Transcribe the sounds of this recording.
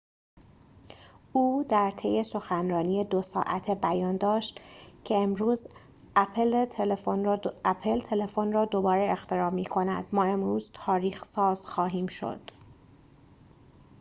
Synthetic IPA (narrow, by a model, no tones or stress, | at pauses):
uːd̪æɾt̪ʰe̞je̞so̞xænrɒːnijed̪osɒ̰ːʔæ̰t̪ʰebæjɒːnd̪ɒːʃt̪cʰe̞emɾuːz | æpʰelʰeonæpʰelt̪ʰe̞le̞fonrɒːd̪o̞bɒːɾeext̪e̞ɾɒːmiːkʰo̞næ̰d̪̥mɒːe̞mɾuːzt̪ʰɒːɾiːxsɒːz̥xɒːɦiːmʃo̞̰d̪̥